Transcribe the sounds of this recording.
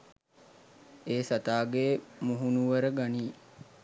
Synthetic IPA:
eːsat̪aːɡeːmuɦunuʋəɾəɡaniː

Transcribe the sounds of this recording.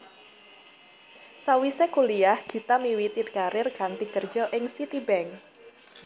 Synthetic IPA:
sawisekuliahɡ̥i̤t̪amiwit̪it̪̚kaɾɪrkant̪ikər̥d͡ʒɔʔɪŋsit̪ibɛŋ

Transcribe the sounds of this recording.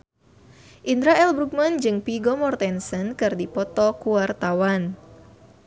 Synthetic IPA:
ʔind̪ɾaɛlbɾuk̚mand͡ʒɨŋpiɡɔmɔrt̪ɛnsənkɨrdipɔt̪ɔkuart̪awan

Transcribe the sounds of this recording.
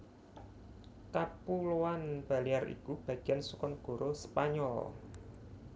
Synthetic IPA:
kapuloanb̥a̤lijarḭkub̥ä̤ɡ̥i̤ansukɔnɡ̥o̤ɾospaɲɔl

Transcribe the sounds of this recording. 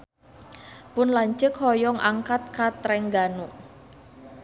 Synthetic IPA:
pʊnlaɲt͡ʃəkhɔjɔŋʔa̰ŋkat̪̚kat̪ɾɛŋɡanu

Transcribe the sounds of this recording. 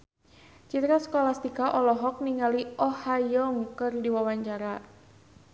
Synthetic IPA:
t͡ʃit̪ɾaskɔlast̪ikaʔɔlɔɦɔk̚niŋaliʔɔhajɔŋkɨrdiwawaɲt͡ʃaɾa

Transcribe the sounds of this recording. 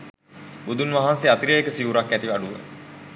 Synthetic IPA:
bud̪unʋaɦanseat̪iɾəekəsiuɾakːæt̪iʋaɖuʋə̰

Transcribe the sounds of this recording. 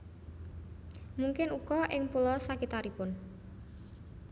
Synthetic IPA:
muŋkɪnukɔʔɪŋpulɔsakit̪aɾipʊn

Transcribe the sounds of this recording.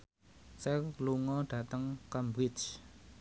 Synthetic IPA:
sɛrluŋɔɖ̥ä̤t̪əŋkambɾɪt͡ʃ

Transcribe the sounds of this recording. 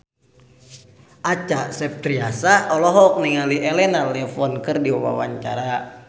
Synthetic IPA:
ʔat͡ʃaʔsɛp̚t̪ɾiasaʔɔlɔɦɔk̚niŋaliʔɛlɛnalɛfɔnkɨrdiwawa̰wa̰ɲt͡ʃa̰ɾa

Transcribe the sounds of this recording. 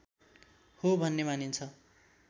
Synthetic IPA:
hobʱʌnːemanint͡sʰʌ

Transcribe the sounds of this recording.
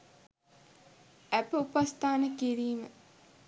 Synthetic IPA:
æpəupast̪ʰaːnəkiɾiːmə

